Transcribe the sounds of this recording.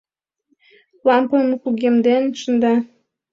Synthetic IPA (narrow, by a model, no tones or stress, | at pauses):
lɑmpɤ̆nmɤkuɡʲemd̪enʃə̆nd̪ɑ